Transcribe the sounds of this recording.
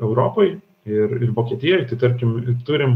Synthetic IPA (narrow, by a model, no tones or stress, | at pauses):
ɛʊɾoːpoj | ɪɾɪɾʋoːkʲiɛt̪ʲɪjɔjt̪ɐɪt̪ɐɾʲkʲɪmɪɾt̪ʊɾʲɪm